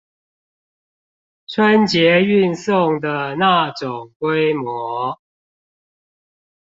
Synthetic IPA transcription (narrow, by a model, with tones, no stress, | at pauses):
ʈ͡ʂʰwə˦nt͡ɕjɛ˨˦y˥˨nsʊ˥˨ŋd̪ə˨na˥˨ʈ͡ʂʊ˨˩ŋkwe˦ɪmwɔ˧˦